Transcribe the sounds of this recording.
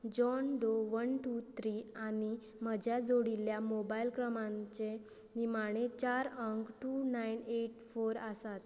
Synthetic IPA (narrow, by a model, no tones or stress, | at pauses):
d͡ʑɔndoʋənʈut̪ʰɾiani | m̤əd͡ʑʱjad͡zoɽiljamobailkɾəmãɲt͡ɕe | nimaɽ̃et͡ɕaɾəŋkʈunaineʈfoɾəsat̪